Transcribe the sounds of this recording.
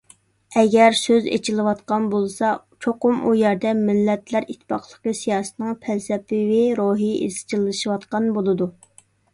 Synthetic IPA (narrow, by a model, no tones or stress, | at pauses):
ɛɡʲɛɾsøzḛt͡ʃʰilˠɨwɑt̪qɑnbolˠsɑ | t͡ʃʰoqʊmujæɾd̪ɛmɪlːɛt̪læɾit̪ʰːɪ̥pɑχlˠə̥qəsijɑːsɨ̥t̪nɨŋpʰɛsɛpːɪvɪɾoɦiʔḛz̥t͡ʃʰilˠːɨʃiwɑt̪qɑnbolˠɨd̪u